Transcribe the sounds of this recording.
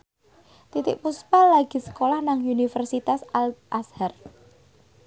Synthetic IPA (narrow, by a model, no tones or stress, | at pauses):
t̪it̪ɪʔ̚puspalːaɡ̥i̤sə̥kolahnaŋunifərsit̪asalʔashar